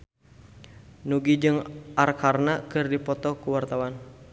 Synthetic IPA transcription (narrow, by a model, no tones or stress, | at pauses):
nuɡid͡ʒɨŋʔarkʰarnakɨrdipɔt̪ɔkuwart̪awan